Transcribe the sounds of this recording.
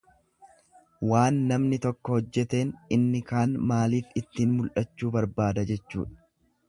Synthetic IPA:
waːnːɐmnɪt̪ɔkːɔhɔd͡ʒːɛt̪e̞ːnʔɪnːɪkaːnmaːliːfɪt̪ːiːnmʊlʔɐt͡ʃːuːbɐɾbaːd̪ɐd͡ʒɛt͡ʃːṵːᶑɐ̥

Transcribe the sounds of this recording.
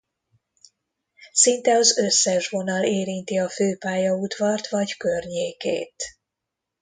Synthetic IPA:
sint̪ɛɒzø̞sːɛʃvo̞nɒleːɾint̪iɒføːpaːjɒud̪ʋɒrt̪ʋɒɟkø̞rɲeːkḛːt̪

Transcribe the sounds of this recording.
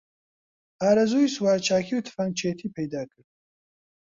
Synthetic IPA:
aːɾɐzuːiswaːɾt͡ʃʰaːkʰiːwt̪ʰɨ̥faŋt͡ʃʰeːt̪ʰiːpʰɛjd̪aːkʰɨɾd̪̚

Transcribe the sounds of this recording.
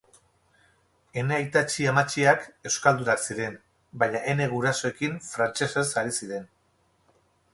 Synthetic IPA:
e̞neajt̪at͡ʃiamat͡ʃiake̞wskald̪uɾaɾsiɾe̞n | baɲaʔe̞ne̞ɣuɾaso̞e̞kiɱfɾant͡ʃe̞se̞saɾisiɾe̞n

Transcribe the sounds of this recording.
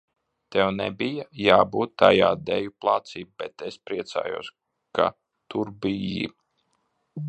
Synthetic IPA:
t̪ɛwnɛ̰bijajaːbuːt̪ːajaːd̪ɛjuplˠat̪siːb̚bɛt̪espɾiɛt̪sa̰ːjṵːs | ka̰ | t̪uɾbijḭ

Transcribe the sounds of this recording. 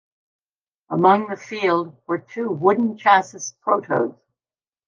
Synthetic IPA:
əmʌ̃ŋðɨfilˠd̚wə˞tʰʉwʊdⁿn̩t͡ʃʰæsɨspʰɹ̥oʊɾoʊz̥

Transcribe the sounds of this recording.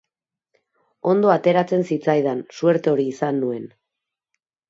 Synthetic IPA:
o̞nd̪o̞at̪e̞ɾat͡se̞nsit͡sajð̞ansueɾt̪eo̞ɾiːsanːue̞n

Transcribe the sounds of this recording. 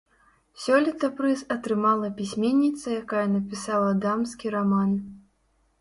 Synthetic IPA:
sʲɔlʲit̪ɐpɾɨzɐt̪ɾɨmalˠɐpʲisʲmʲenʲːit̪sɐjakajɐnɐpʲisawˠɐd̪amskʲiɾaman

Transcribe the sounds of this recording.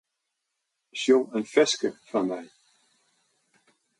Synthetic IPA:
ʃjoənfɛskəfamaj

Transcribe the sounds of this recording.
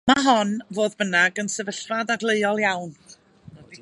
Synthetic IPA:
maɦɔnvoːðbənaɡənsəvəɬvadaɡlˠeɨɔlˠjawn

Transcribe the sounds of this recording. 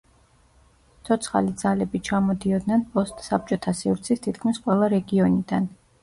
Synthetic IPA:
t̪sʰɔt̪sʰχa̰lid̪z̥alɛbit͡ʃʰamɔd̪iɔd̪nɛnpʼɔst̪ʼsap̚t͡ʃʼɔt̪ʰasivɾt̪sʰist̪ʰit̪̚ʰkʰmisqʼwɛlˠaɾɛɡiɔnid̪̥an

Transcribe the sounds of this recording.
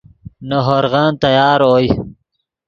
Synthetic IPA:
nɐɦoɾɣɑːnt̪ɐjɑːɾoj

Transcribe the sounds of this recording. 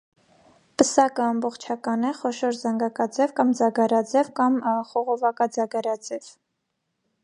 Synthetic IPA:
pəsɑkəɑmbɔχt͡ʃʰɑkɑnɛχɔʃɔɾzɑŋɡɑkɑd͡zɛvkɑmd͡zɑɡɑɾɑd͡zɛvkɑmχɔʁɔvɑkɑd͡zɑɡɑɾɑd͡zɛv̥

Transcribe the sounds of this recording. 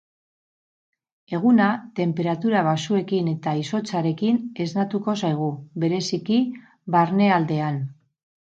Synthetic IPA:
e̞ɣ̞unat̪e̞mpe̞ɾat̪uɾaβ̞asue̞kine̞t̪aiso̞t͡saɾe̞kine̞znat̪uko̞sajɣ̞uβe̞ɾe̞siki | βaɾne̞ald̪e̞an

